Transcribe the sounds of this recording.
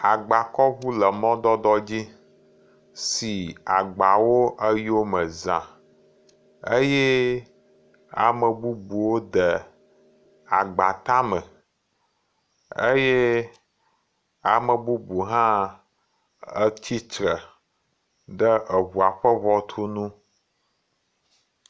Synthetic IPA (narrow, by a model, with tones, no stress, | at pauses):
a˨ɡ͡ba˨kɔ˦βu˦lə˨mɔ̃˦d̪ɔ˦d̪ɔ˦d͡ʑi˦ | si˨a˨ɡ͡ba˨wo˦ʔə˦ji˦o˦mə˨zã˨ | eə̰˦jɛ˦ | a̰˨mə˨bu˦bu˨wo˦d̪ə˨ | a˨ɡ͡ba˨t̪a˦mə̃˨ | e˦je˦ | a˨mə˨bu˦bu˨ɦã˦ | ə˦t͡ɕi˦t͡ʃɾə˨ | ɖə˦ʔə˨βu˨a˨ɸə˦βɔ˦t̪ʰu˦nũ˦